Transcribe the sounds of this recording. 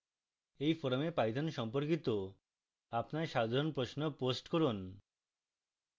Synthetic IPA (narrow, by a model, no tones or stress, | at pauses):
ejfɔɾomepajd̪ʱonʃɔmpoɾkit̪o | apnaɾʃad̪ʱaɾonpɾosnoposʈkoɾun